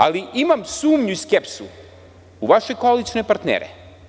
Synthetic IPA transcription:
a̰liimamsuːmɲuiskepsu | uʋaʃe̞kolit͡ʃnepaɾt̪nḛːɾḛ

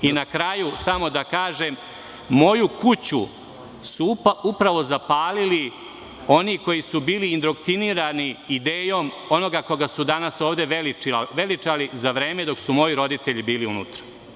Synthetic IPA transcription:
inakɾajusamo̞d̪akaːʒe̞mː | o̞jukut͡ɕu | supupɾaʋo̞zapaːlili | o̞niko̞jisubiːliːnd̪ɾo̞kt̪iniɾaniid̪eːjo̞ːm | o̞no̞ɡako̞ɡasud̪anaso̞ːʋd̪e̞ʋeliʋe̞lit͡ʃalizaʋɾe̞ːme̞d̪o̞ksumo̞jiɾo̞d̪it̪e̞ʎibiːliunṵt̪ɾḁ

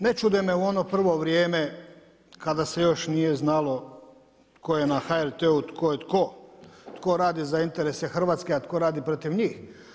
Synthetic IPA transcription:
ne̞t͡ʃud̪emeuo̞no̞pr̩ʋo̞ʋɾjeːme | kad̪ase̞jo̞ʃnije̞znalo̞ | t̪kʰo̞je̞naxaeɾt̪eut̪kʰo̞jet̪ko̞t̪ko̞ɾaːd̪izaint̪eɾese̞xr̩ʋaːt̪skeat̪ko̞ɾaːd̪ipɾot̪iʋɲiːx

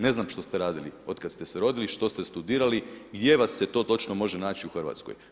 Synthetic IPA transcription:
ne̞znaːmʃt̪o̞st̪eɾaːd̪ilḭo̞d̪kad̪st̪eseɾo̞d̪iliʃt̪o̞st̪est̪ud̪iːɾaliɡd̪je̞ʋasːet̪o̞ːt̪o̞t͡ʃnomo̞ʒenaːt͡ʃiuxr̩ʋa̰t̪skoj

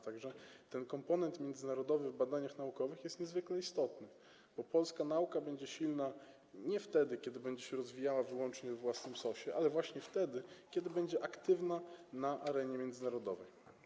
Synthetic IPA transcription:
t̪aɡʐɛt̪ɛnkɔmpɔnɛnt̪mʲjɛnd̪zɘnaɾɔd̪ɔvɘvbad̪aɲaxnaukɔvɘxjɛst̪ɲɛzvɘklɛist̪ɔt̪nɘ | b̥ɔpɔlskanaukabɛɲd͡ʑɛɕilna | ɲɛft̪ɛd̪ɘkʲɛd̪ɘbɛɲd͡ʑɛɕɛɾɔzvʲijawavɘwɔnt͡ʂɲɛvvwasnɘmsɔɕɛʔalɛvwaɕɲɛft̪ɛd̪ɘkʲɛd̪ɘbɛɲd͡ʑɛʔakt̪ɘvnanaʔaɾɛɲɛmʲjɛnd̪zɘnaɾɔd̪ɔvɛ̰j

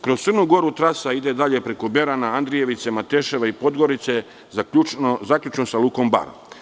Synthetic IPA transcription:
kɾo̞st̪ɨɾnuɡo̞ɾut̪ɾasaid̪ed̪aʎe̞pɾe̞ko̞be̞ɾanaand̪ɾije̞ʋit̪se̞mat̪eːʃe̞ʋaipo̞d̪ɡo̞ɾit̪se | uzakʎʲut͡ʃnosaluko̞mba̰ɾ

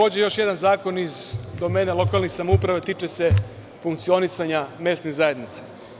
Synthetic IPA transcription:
o̞ːd͡ʑejo̞ʃje̞d̪anzaːko̞nizd̪o̞meːnalo̞kalˠnixsamoupɾaʋet̪it͡ʃese | fuŋkt̪sio̞nisaɲame̞ːst̪niɣzajed̪nit̪se̥

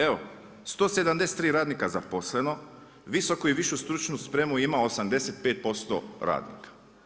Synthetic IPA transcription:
e̞ʋo̞ | st̪oːse̞d̪amd̪e̞set̪ːɾiːɾaːd̪nikazapo̞sle̞no̞ | ʋiso̞koiʋiʃust̪ɾut͡ʃnuspɾe̞ːmuimao̞samd̪e̞set̪̚peːt̪̚po̞st̪o̰ɾa̰ːd̪nḭkḁ

